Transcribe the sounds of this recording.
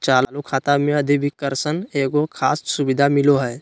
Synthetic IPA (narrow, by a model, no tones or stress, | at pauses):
t͡ʃaːllukʰaːt̪amẽəd̪ʱibʱikːəɾsəneːɡokʰaːssubid̪ʱamɪloɦɛː